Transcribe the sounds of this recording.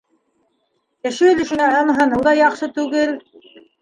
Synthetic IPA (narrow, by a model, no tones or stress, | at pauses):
jæ̆ʃɘɵ̆lɘ̆ʃɘ̆næɑnɦɤnɤwðɑjɑqʃɤt̪ʉɡɘl